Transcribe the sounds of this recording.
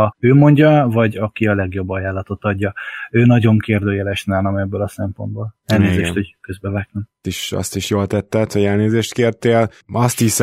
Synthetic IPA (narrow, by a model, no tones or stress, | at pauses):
ɒøːmo̞ɲɟɒvɒɟɒkiɒlɛɡjo̞bːɒjaːlːɒt̪o̞t̪ɒɟːɒøːnɒɟo̞ŋkeːrd̪øːjɛlɛʃnaːnɒmɛbːølɒsɛmpo̞̰nd̪boːlɛlneːzeːʃt̪ho̞ɟkøzbɛvɛknymt̪iʃɒ̰st̪iʃjoːlt̪ɛt̪ːɛt̪hɟɛlneːzeːʃt̪keːrt̪eːl | ɒst̪is